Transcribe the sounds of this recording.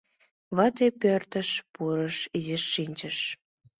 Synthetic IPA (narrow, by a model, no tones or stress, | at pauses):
βɑt̪epørt̪ə̆ʃpuɾəʃiziʃːinʲt͡ɕəʃ